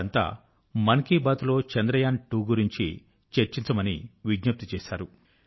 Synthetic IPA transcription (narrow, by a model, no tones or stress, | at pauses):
ɐnt̪a̰ː | mɐnkiːbaːt̪ulo̞ːt͡ʃɐnd̪ɾɐjaːnʈuːɡuɾiɲt͡ʃḭ | t͡ʃeɾt͡ʃiɲt͡ʃɐmɐniʋiɡɲɐp̚t̪it͡ʃɛːʃaːɾu